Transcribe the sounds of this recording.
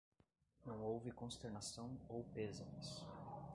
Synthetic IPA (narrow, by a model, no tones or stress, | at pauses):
nɐ̃w̃owvɪkõst̪eɾnasɐ̃w̃owpezɐ̃mɪs